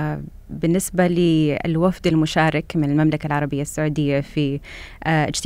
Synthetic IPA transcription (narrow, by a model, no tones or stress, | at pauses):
bɪnːɪsbalɪ̰lwafd̪almʊʃaːɾˤɪkmɪnɪlmamlakalʕɑɾˤɑbɪjːasːaʕuːd̪ɪjːafi | ɪd͡ʒt̪